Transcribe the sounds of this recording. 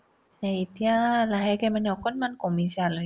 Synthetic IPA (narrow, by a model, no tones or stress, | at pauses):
ɲait̪ialaɦɛkamanɔkɔnmankomisial